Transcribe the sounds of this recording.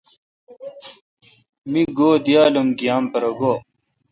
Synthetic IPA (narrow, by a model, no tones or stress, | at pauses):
miɡoːd̪ijaːlɐmɡijaːmpɐɾɐɡoː